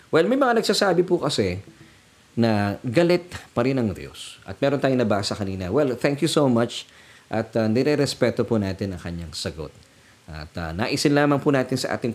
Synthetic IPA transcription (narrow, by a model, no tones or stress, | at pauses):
wɛlmɐjmɐŋanɐɡ̥̚sasaːbɪpʊkɐsɛ | nɐɡɐlɪt̪̚pɐɾɪnɐŋd̪jo̰sʔɐ̰t̪̚mɛːɾo̞nt̪aːjoŋnɐbaːsɐkɐniːnɐwɛlθɛŋkjusomat͡ʃ | ʔɐt̪ɐnɛɾɛɾɛspɛt̪opunaːt̪ɪnɐŋkɐɲːaŋsɐɡo̞̰t̪̚ | ʔɐ̰t̪ɐna̰ːʔisɪnlaːmɐŋpunaːt̪ɪnsɐ̰ʔa̰ːt̪ɪŋ